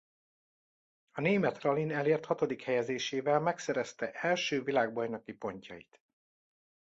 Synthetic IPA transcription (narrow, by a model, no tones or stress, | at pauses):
ɒneːmɛt̪rɒlinɛleːrt̪hɒt̪o̞d̪ikhɛjɛzeːʃeːvɛlmɛksɛɾɛst̪ɛʔɛlʃøːvilaːɡ̚bɒjnɒkipo̞ɲcɒ̰jit̪